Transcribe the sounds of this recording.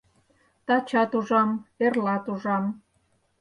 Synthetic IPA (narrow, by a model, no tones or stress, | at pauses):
t̪ɑt͡ɕɑt̪uʒɑmerlɑt̪uʒɑm